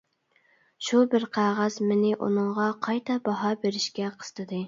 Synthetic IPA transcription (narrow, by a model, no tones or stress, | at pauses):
ʃubɪɾqʰæʁæzmɪnɪʔṵnɨŋʁɑqʰɑjt̪ʰɑbɑɦɑbeɾɪʃkʲɛqʰə̥z̥ɨ̥t̪ʰɨd̪ɨ